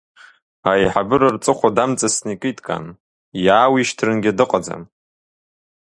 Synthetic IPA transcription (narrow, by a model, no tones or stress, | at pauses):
ajħabɨɾɨrt͡sʼɨχʷadamt͡sʼasnikʼitʼkʼa̰n | jaːwiʃtʰrɨnɡʲadɨqʼad͡za̰m